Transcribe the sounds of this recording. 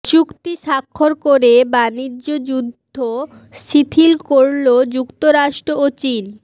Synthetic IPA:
t͡ɕukt̪iʃakʰːoɾkoɾebanid͡ʑod͡ʑud̪ʱːo | ʃit̪ʰilkoɾlod͡ʑukt̪oɾaʃʈɾoot͡ɕin

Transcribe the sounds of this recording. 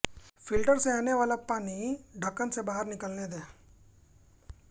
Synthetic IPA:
fɪlʈəɾseaːneʋaːlapaːniɖʱəkːənsebaːɦəɾnɪkəlned̪eː

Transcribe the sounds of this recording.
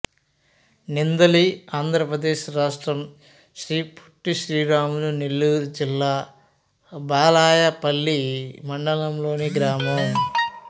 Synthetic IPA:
nind̪ɐliaːnd̪ʱɾɐpɾɐd̪eːʃɾaːʂʈɾɐm | ʃɾiːpʰu̥ʈːiʃɾiːɾaːmulunelːud͡ʒilːaː | baːlaːjɐpɐlːimɐɳɖɐlɐmlo̞ːniɡɾaːmɐm

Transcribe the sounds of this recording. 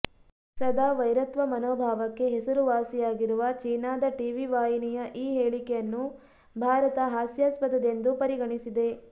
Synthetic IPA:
sɐd̪ʱaːʋɐjɾɐt̪ʋɐmɐnoːbʱaːʋɐkːe̞ɦesɐɾuʋaːsijaːɡiɾuʋɐt͡ʃiːnaːd̪ɐʈiʋiʋaːɦinijɐʔiːɦeːɭikɛjɐnːu | bʱaːɾɐt̪ɐɦaːsjaːspɐd̪ɐd̪e̞nd̪upɐɾiɡɐɳisid̪e̞

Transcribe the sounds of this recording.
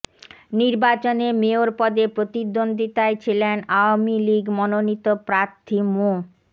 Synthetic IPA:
niɾbat͡ɕonemeoɾpɔd̪epɾot̪id̪ond̪ʱit̪aet͡ɕʰilenaoamiliɡmɔnonit̪opɾaɾt̪ʰimu

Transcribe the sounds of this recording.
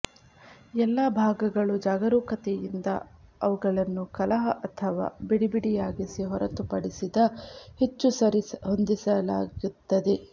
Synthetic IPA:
ɛlːabʱaːɡɐɡɐɭud͡ʒaːɡɐɾuːkɐt̪ejind̪ɐ̰ɐʋuɡɐɭɐnːukɐlɐɦɐʔɐt̪ʰɐʋa̰ːbiɽibiɽijaːɡisiɦɔɾɐt̪upɐɽisid̪ɐhet͡ʃːusɐɾihond̪isɐla̰ːɡut̪ːɐd̪e̞

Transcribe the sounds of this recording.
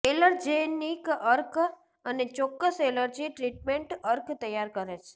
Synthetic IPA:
eləɾd͡ʒenikəɾk | ənet͡ʃɔkːəseləɾd͡ʒiʈɾiʈmeɳʈəɾkt̪əjːaɾkəɾet͡ʃʰe̥

